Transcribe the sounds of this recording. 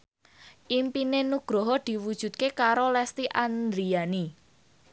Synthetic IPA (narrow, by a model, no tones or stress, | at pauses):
ʔimpinenuɡ̥ɾoɦɔd̪̥i̤wud̥ʒ̥ṳt̪̚kekaɾolɛst̪iʔand̪ɾiani